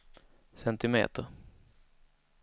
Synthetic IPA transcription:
sɛnt̪ɪmḛːt̪əɾ

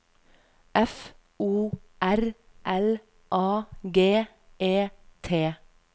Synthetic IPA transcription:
ʔɛf | uːʔæɾ | ʔɛl | ʔɑːɡeː | ʔeːt̪ʰeː

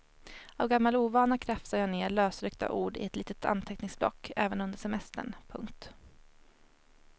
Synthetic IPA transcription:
avɡamːaluːvɑːnakʰɾɛfsajɑːneːɭøːsɾʏkt̪a̰ʔuːɖɪ̰ɛt̪liːt̪ət̪ʰa̰nt̪ʰɛknɪŋsblɔ̰kːɛːvənɵnd̪əʂɛmɛst̪ə̰ɳpʰɵ̰ŋkt̪

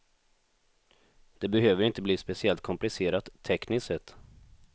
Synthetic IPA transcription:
d̪̥ɛbɛɦøːvəɾɪnt̪əbliːspɛsɪɛlt̪̚kʰɔmplɪseːɾat̪ʰːɛknɪssɛt̪ː

